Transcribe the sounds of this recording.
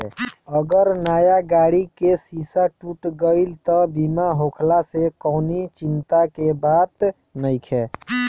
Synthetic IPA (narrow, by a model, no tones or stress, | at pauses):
əɡəɾnaːjaɡaːɽikesisaʈuʈɡəɪlt̪ɔbimaɦokʰlasekɔːnit͡ʃɪnt̪akebaːt̪ | nəɪkʰɛ